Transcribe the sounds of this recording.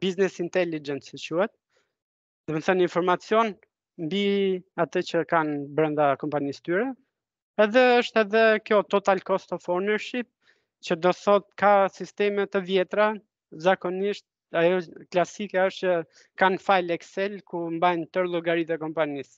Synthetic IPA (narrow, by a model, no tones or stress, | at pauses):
biznɛsint̪ɛlid͡ʒɛnt̪sət͡ɕuɛt̪̚ | d̪ɔmənθɔninfɔɾmat͡sjɔn | mbiat̪ət͡ɕəkanbɾənd̪akɔmpanist̪yɾɛ | ɛðɛəʃt̪ɛðɛkjɔt̪ɔt̪alkɔst̪ɔfɔɾnɛɾʃip̚ | t͡ɕəd̪ɔθɔt̪̚kasist̪ɛmɛt̪əvjɛt̪ɾa | zakɔniʃt̪̚ | ajɔklasikɛəʃt̪t͡ʃə | kanfajlɛksɛlkumbajnt̪əɾlˠɔɡaɾit̪ɛkɔmpanis